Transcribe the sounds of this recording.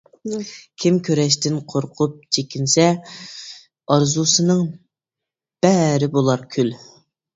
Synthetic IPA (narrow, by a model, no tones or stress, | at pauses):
kʲʰimkʲʰøɾɛʃ̬t̪ɪnqʰoɾqʰʊp̚t͡ʃʰekʲinsɛ | ɑɾzusɨnɨŋ | b̥ɛɾɪbolˠɑɾkʲʰyl